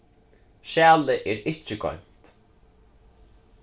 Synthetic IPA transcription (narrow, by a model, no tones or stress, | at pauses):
ʃæːlɪʔɛːɾɪht͡ʃːɪkɔ̰m̥t̪